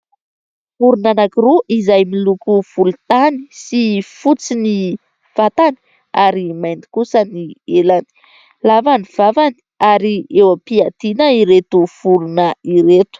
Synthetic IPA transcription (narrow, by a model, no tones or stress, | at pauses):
vuɾunanakiɾuʔizajmilukuv̥ulut̪ani̥sifut͡sini | v̥at̪ani̥ | aɾimajnd̪i̥kusənielani̥ | lavaniv̥avani̥ | aɾiewəpiat̪inəiɾet̪uv̥uɾunəiɾet̪u̥